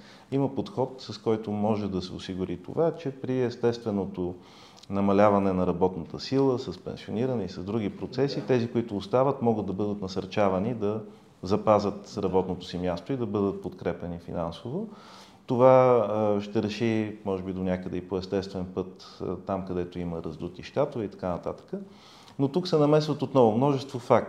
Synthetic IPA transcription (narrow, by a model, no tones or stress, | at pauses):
iməpot̪xɔt̪sɐskɔjt̪omɔʒɛd̪ɐsɛosiɡʊɾit̪o̰vat͡ʃɛpɾiɛst̪ɛst̪vɛnot̪o | nɐmɐlʲavɐnɛnɐɾɐbɔt̪nət̪əsilˠəsɐspɛ̰nsioniɾənɛisɐzd̪ɾuɡipɾot̪sɛsit̪ɛzikoit̪ʊːst̪avət̪mɔɡəd̪d̪ɐbɤd̪ət̪nɐsɐɾt͡ʃavɐnid̪ɐ | zɐpazət̪ɾɐbɔt̪not̪o̥simjast̪oid̪ɐbɤd̪ət̪̚pot̪kɾɛpɛnifḭnansovo | t̪ovaʃt̪ɛɾɛʃimɔʒɛbid̪onʲakəd̪ɛipoɛst̪ɛst̪vɛnpɤt̪ | t̪ːamkɐd̪ɛt̪oiməɾɐzd̪ut̪iʃt̪at̪ovɛit̪ɐ̥kanət̪at̪ə̥kə | not̪uksɛnɐmɛsvət̪ot̪nɔvomnɔʒɛst̪vofak̚t